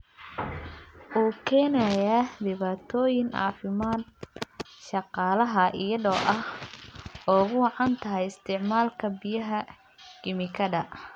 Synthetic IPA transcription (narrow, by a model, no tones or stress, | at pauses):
ʔuːkʰɛːnɐjaːd̪ɪβaːt̪ʰɔːjɪŋɑ̰ːfɪmaːd̪ | ʃɑqɑːlɐɦɐʔɪjɐðɔːʔɐh | ɔːɣʊwɑʕɑnt̪ʰɐɦɛjɪst̪ʰɪʕmaːlkʰɐbɪjɐɦɐ | ɡ̥ɪmɪkʰɐdɐ